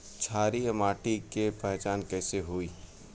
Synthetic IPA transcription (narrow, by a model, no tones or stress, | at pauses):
t͡ʃʰaːɾiamaːʈikepɛɦt͡ʃaːnkɛːseɦoi